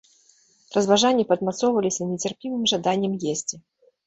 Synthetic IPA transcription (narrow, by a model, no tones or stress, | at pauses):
rɐzvaʐanʲːipɐd̪mat̪sɔwvɐlʲisʲɐnʲɛt͡sʲɪrpʲivɨmʐad̪anʲːɛmjesʲt͡sʲi